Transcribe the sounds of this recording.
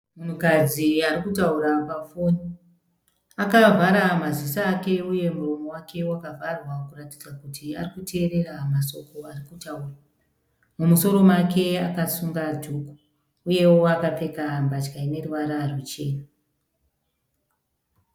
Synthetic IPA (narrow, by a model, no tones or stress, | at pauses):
mun̤ukad͡ziarikutauɾapafoni | akavʱaɾamazisaːke̞uje̞muromo̞wakʰe̞wakavʱarwakuratid͡zakutʰia̰rikutʰe̞ːɾe̞ramaso̞kʰo̞arikutaura | mumuso̞ɾo̞makʰe̞a̰kasuŋɡadʱuku̥ | uje̞woakap͡fe̞kambat͡ʃkaine̞ruʋaɾarut͡ʃe̞ːna